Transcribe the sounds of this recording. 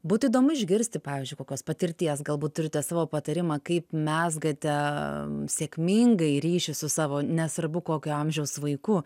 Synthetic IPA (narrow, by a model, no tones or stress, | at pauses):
buːt̪ʊiːd̪oːmʊɪʒʲɡʲɪɾʲsʲt̪ʲɪpɑːʋʲɪːzd͡ʒʲʊɪkoːkʲoːspɐt̪ʲɪɾʲt̪ʲiɛs̬ɡɐlˠbuːt̪t̪ːʊɾʲɪt̪ʲɛsɑːʋoːpɐt̪ɐɾʲɪmɑːkɐɪpmʲæsɡɐt̪ʲɛ | sʲeːkʲmʲɪŋɡɐɪɾʲiːʃʲɪsʊsɑːʋoːnʲɛsʋɐɾbʊkoːkʲʊɐmʲʒʲɛʊsʋɐɪkʊ